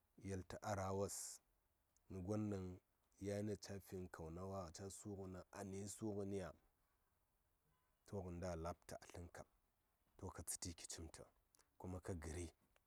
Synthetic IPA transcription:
ja˨lta˨ʔa˦ɾa˨wa˦s | ni˨ɡʷa˦nːa˨ŋ | ja˦na˦˨t͡ʃa˦fi˦nkʰa˨wna˦wa˦˨t͡ʃa˦su˦ɣu˨na˦ʔa˨ni˦su˦ɣu˦ni˦ja˨ | tʰo˦ɣə˨n˦da˦˨la˦p̚ta̰˨ʔa˨ɬi˦ŋka̰˨b̚ | to˦ka˨t͡si̥˨ti˦ki̥˨t͡ʃi˦mtʰə̰˨ | ku˦ma˦ka˦ɡi˨ɾi˦

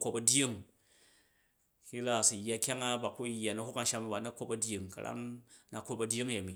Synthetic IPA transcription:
ko˧pɐ˧dʲi˦ŋ | ki˦la˦˨si˨jːa˧kʲa˦ŋa˦ba˨ku˦jːa˨nɐ˦hu˦ka˨ʃa˧mi˧ba˨na˦ko˦pɐ˨dʲji˨ŋkɐ̰˨ɾa̰˦ŋna˨ko˧pɐ˧dʲi˦ŋ˦ja˨mi˨

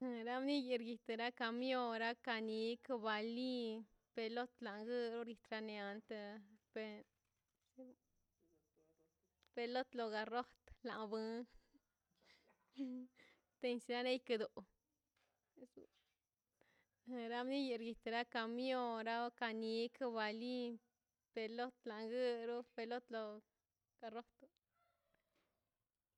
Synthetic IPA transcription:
ɾa˦mni˦ji˧ɾɡi˧t̪ɾa˦ka˧mjo˦ɾa˦ka˧ni˧˦kba˨˧li˦ | pe˧lo˦t̪la˨ŋɡɨ˦ɾo˦ɾi˧t̪ɾa˧ne˧a˧nt̪a˧pe˧ | pe˧lo˦t̪lo˧ɡa˧ro˦t̪la̰˨ŋbɨ˦ | t̪e˧nsi˧ɾa˦ne˦jka˧d̪u˨ʔ | e˧s | ɾa˧˦mni˦ji˧˨ɾɡi˧t̪ɾa˦ka˧mjo˦ɾa˦ka˧ni˧˦ka˧ba˨li˦ | pe˧lo˦t̪la˨ŋɡɨ˦ɾu˦pe˧lo˦t̪lo˧ | ɡ̥a˧ɾo˦t̪

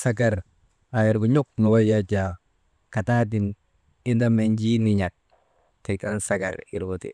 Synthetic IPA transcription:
sa˦ɡa˨ɾ | a˨i˨ɾbu˨ɲu˦k̚nu˨wa˦jja˦t͡ʃa˨ | ka˨ta˦d̬i˨n | i˦nda˦me˨nd͡ʒi˦ni˨ɲa˨k̚ | te˨ka˦nsa˦ka̰˨ɾḭ˨ɾbu˨tḭ˨

